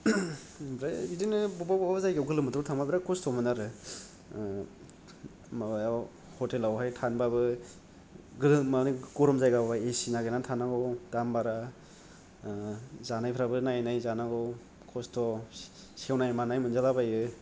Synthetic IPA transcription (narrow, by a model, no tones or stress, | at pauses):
bɾabidinɯbɔbababzajɡawɡɯlɯmɯtɾɔtʰaŋbabiɾakʰɔstʰɔmɯnaɾɯ | mabajaw | hɔtelawɦajtʰanbabɯ | ɡɯlɯmaniɡɔɾɔmzajɡabaesinaɡejnantʰanaɡɔwd̥ambaɾa | zanajpʰɾabɯnajnajzanaɡɔw | kʰɔstʰɔ | sewnajmanajmɯnzalabajɯ